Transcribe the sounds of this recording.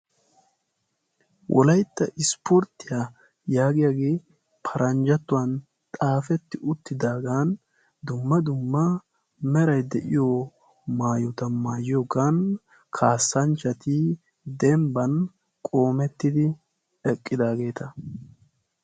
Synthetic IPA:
wʔɔ̰lɐjt̪ːɐʔɪspʰɔɾt̪ːɪja | jaːɡɪjaɡeː | pʰɐɾʔɐnd͡ʒɐt̪ːʊwɐn | t̪ʼaːfɛt̪ːɪʔʊt̪ːɪd̪aːɡaːn | d̪ʊmːɐd̪ʊmːɐ | mɛɾɐjd̪ɛʔɪjo | maːjɔt̪ɐmaːjɪjoɡaːn | kʰaːsːɐnt͡ʃɐt̪ɪ | d̪ɛmbɐn | kʼo̞ːmɛt̪ːɪd̪ɪ | ɛkʼːɪd̪aːɡe̞ːt̪ɐ

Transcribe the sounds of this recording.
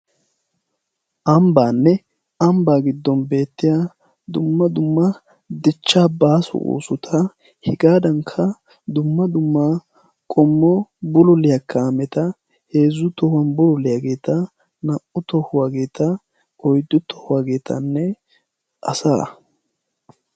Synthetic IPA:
ʔɐmbaːnːɛ | ɐmbaːɡɪd̪ːɔnbe̞ːt̪ːɪja | d̪ʊmːɐd̪ʊmːɐ | d̪ɪt͡ʃːaːbaːsɔ̰ʔṵːsʊt̪ʰɐ | hɪɡaːd̪ɐŋkʰːɐ | d̪ʊmːɐd̪ʊmːa | kʼɔmːɔbʊlɔlɪjɐkːɐːmɛt̪ɐ | heːzːʊt̪ɔhɐnbʊlɔlɪjaɡe̞ːt̪ɐ | nɐʔʊt̪ɔhʊwaːɡe̞ːt̪ʰɐ | ɔjd̪ːʊt̪ʰːɔ̥hʊwaːɡe̞ːt̪ʰɐ̰nːɛ | ʔɐ̰sa̰ː

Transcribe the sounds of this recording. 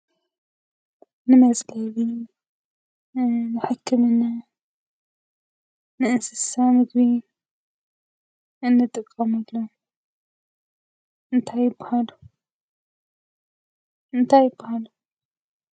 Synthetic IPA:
nɨmɐzʼlɐβi | nɨħɨkʰːɨmɨnːa | nɨʔɨnsɨsamɨɡbi | ʔɨnːɨt̪ʼɨkʼːɐmɨlːo | ʔɨnt̪ʰajːɪbːahalu | ʔɨnt̪ʰajːɪbːahalu

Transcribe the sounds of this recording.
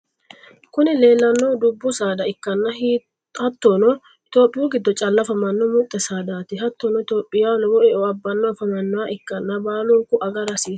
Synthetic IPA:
kʊnɛle̞ːlːɐnːoːd̪ʊbːʊsaːd̪ɐɪkːɐnːɐhi | hɐt̪ːonɔ | ɪt̪o̞ːpʼːɪjuɡɪd̪ːɔt͡ʃʼɐlːɐfɐmɐnːɔmʊt̪ʼːɛsaːd̪aːt̪ɪɦɐt̪ːɔnɔɪt̪oːpʼːɪjalɔwɔʔɛɔɐbːɐnːɔfɐmɐnːɔwaʔɪkːɐnːɐbaːlɔŋkʊʔɐɡɐɾɐsiːs

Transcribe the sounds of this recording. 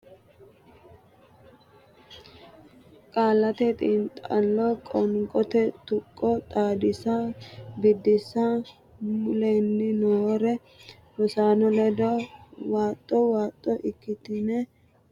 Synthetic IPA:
kʼaːlːɐt̪ɛt̪ʼɪnt̪ʼalːɔkʼɔŋkʼɔt̪ɛt̪ʊkʼːɔt̪ʼaːd̪ɪsabɪd̪ːɪsa | mʊlenːɪnoɾɛ | bɔsaːnɔlɛd̪ɔwaːt̪ʼːɔwaːt̪ʼːɔʔɪkːɪt̪ɪnɛ

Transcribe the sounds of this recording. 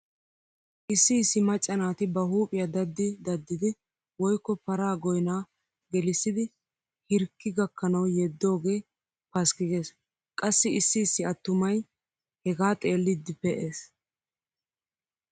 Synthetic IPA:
ʔɪsːisːɪmɐt͡ʃʼːɐnaːt̪ɪbɐɦuːpʼɪjɐd̪ɐd̪ːɪd̪ɐd̪ːɪd̪ɪ | wɔjkːɔpɐɾaːɡɔjnaː | ɡɛlɪsːɪd̪ɪ | hɪɾkːɪɡɐkːɐnɐwjɛd̪ːo̞ːɡe̞ː | pɐskɪɡe̞ːs | kʼɐsːɪɪsːɪsːɪɐt̪ːʊmɐj | hɛɡaːt̪ʼe̞ːlːɪd̪ːɪpɛʔe̞ːs

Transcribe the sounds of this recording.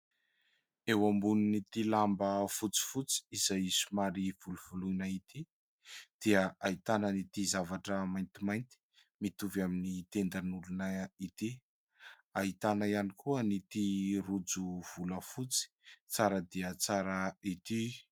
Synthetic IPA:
ewambuninit̪ilambəfut͡si̥fut͡si̥iz̥ajisumaɾivuluv̥ulunait̪i | d̪̥iəʔait̪anənit̪izavaʈ͡ʂəmajnt̪imajnt̪i̥ | mit̪uvaminit̪end̪anulunəit̪i | ait̪anaianikʰuənit̪irud͡zuv̥uləfut͡si̥t͡saɾəd̪iət͡saɾəit̪i

